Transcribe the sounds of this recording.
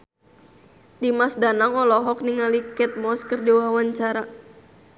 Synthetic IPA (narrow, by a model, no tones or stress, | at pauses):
dimasdanaŋɔlɔɦɔk̚niŋalikɛt̪̚mɔskərdiwawaɲt͡ʃaɾa